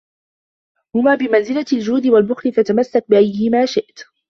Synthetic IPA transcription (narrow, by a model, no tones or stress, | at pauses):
hʊmaːbɪmanzɪlald͡ʒuːd̪ɪwalbʊxlɪfat̪amasːak̚bɪʔajhɪmaːʃɪʔt̪